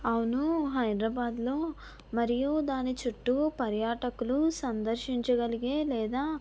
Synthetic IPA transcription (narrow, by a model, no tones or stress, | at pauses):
ɐwunuɦɐjd̪ɾɐːbaːd̪lo̞ː | mɐɾijud̪aːnit͡ʃuʈːupɐɾjaːʈɐkulusɐnd̪ɐɾʃiɲt͡ʃɐɡɐliɡeːlɛːd̪aː